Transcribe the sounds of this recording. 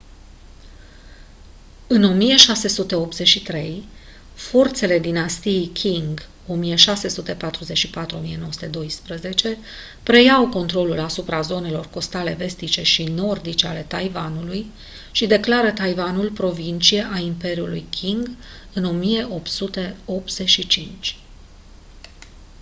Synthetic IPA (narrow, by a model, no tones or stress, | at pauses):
ɨno̞mije̞ʃase̞sut̪e̞o̞p̚t̪z̥e̞t͡ʃʃit̪ɾe̞j | fo̞rt̪se̞le̞d̪inast̪iejkʲʰiŋɡ | o̞mije̞ʃase̞sut̪e̞pat̪ɾuzeʃipat̪ɾuo̞mijenowoəsu̥t̪e̞d̪o̞jspɾəze̞t͡ʃe̞ | pɾe̞jawko̞nt̪ɾo̞lulasupɾazo̞ne̞lo̞rko̞st̪ale̞ve̞st̪it͡ʃe̞ʃino̞rd̪it͡ʃeale̞t̪ajvanuluj | ʃid̪e̞klaɾət̪ajvanulpɾo̞vint͡ʃie̞ʔaimpe̞ɾiulujkʲʰiŋɡ | ɨno̞mije̞ʔo̞pt̪sut̪e̞o̞p̚t̪z̥e̞ʃit͡ʃint͡ʃʲ